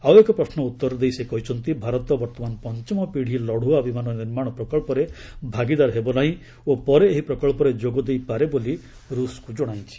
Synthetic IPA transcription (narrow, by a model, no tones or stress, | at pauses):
awekɔpɾɔsnɔut̪ːɔɾɔd̪ejsekɔɦit͡ʃʰɔnt̪ibʱaɾɔt̪ɔbɔɾt̪ɔmanɔpɔnt͡ʃɔmɔpiɽ̤ʱilɔɽ̤uabʱimanɔniɾmaɽ̃ɔpɾɔkɔɭpɔɾebʱaɡid̪aɾɦebɔlaĩ | opɔɾeːɦipɾɔkɔɭpɔɾed͡ʒoɡɔd̪ejpaɾeboli | ɾuskud͡ʒɔɽ̃ajt͡ʃʰi̥